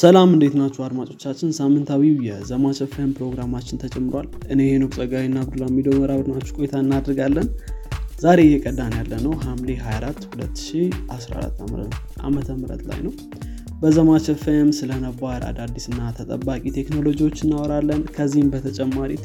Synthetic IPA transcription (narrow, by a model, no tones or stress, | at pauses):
səlamɨnd̪e̞t̪nat͡ʃːuad̪mat͡ʃʼo̞t͡ʃːat͡ʃːɪnsamːɨnt̪ʰawiwjɛzəmat͡ʃəfmpɾo̞ɡɾamat͡ʃːɪnt̪ʰət͡ʃʼɛmːɨɾwa̰lʔɨnehenəkʼsʼəɡawinːabd̪ulamːilowməɾaβəd̪nat͡ʃːu̥kʼojt̪ʰaɨnːad̪ɾɡalːənzaɾe̞jɛkʼəd̪ːanjalːənəwɦamleɦajaɾat̪ːhulət̪ːɨ̥ʃiʔasɾa̰a̰ɾa̰t̪ːa̰mɾə̰ | ʔa̰mət̪ʰəmɨɾə̰t̪la̰jnəw | bəzəmat͡ʃəfemsɨlənəbaɾa̰d̪ad̪ːisɨnːat̪ʰət̪ʼə̰bːakʼit̪ʰe̞kno̞lo̞d͡ʒiwo̞t͡ʃːɨnːawɔɾalːənkʰəzːihmbət̪ʰət͡ʃʼɛmːaɾit̪